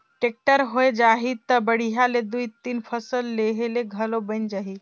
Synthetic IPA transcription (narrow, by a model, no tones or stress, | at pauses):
ʈek̚ʈəɾɦoed͡ʒaɦit̪əbəɽ̤iɦaled̪uit̪inpʰəsəlːeɦeleɡʱəlobə̃nd͡ʒaɦi